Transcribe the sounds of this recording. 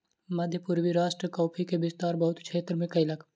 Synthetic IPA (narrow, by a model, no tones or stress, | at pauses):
mɐd̪ʱjəpuɾʋiɾaːʃʈɾəkɔːpʰikebɪst̪aːɾbɐɦʊt̪kʃʰeːt̪ɾəmẽkɐilɐɡ